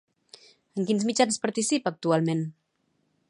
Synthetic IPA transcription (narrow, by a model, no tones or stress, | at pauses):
əŋkinzmid͡ʒanspaɾt̪isipək̚t̪ualˠmen